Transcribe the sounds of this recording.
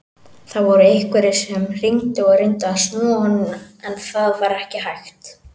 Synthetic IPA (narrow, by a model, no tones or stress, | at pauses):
θaðvɔɾʏejhkvɛɾɪ̥sɛmr̥iɲt̪ɪɣɔrɪnt̪aasnɔːhɔnɪnaɛnθaðvaɾɛhcɪɦajxt̪